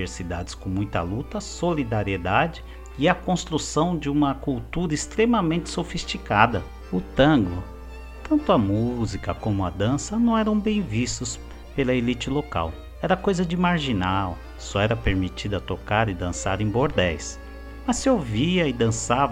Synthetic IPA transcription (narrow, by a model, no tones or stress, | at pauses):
eɾsid̪a̰d͡ʒɪskõmũj̃t̪ɐ̰lut̪ɐsolid̪aɾied̪ad͡ʒɪ | ɪɐkõst̪ɾusɐ̃w̃d͡ʒɪũmɐkuwt̪uɾɐɪst̪ɾemɐmẽnt͡ʃɪ̥sofist͡ʃikad̪ɐ | ʊt̪ɐ̃ɡlʊ | t̪ɐ̃nt̪ʊɐmuzikɐkõmʊɐd̪ɐ̃sɐnɐ̃w̃ɛɾɐ̃w̃bẽj̃vist̪ʊs | pelɐelit͡ʃɪloka̰w | ɛɾɐkojzɐd͡ʒɪmaɾʒinaw | sɔɛɾɐpeɾmit͡ʃid̪ɐt̪okaɾɪd̪ɐ̃sa̰ɾẽj̃boɾd̪ɛjs | mɐsɪewviɐɪd̪ɐ̃savɐ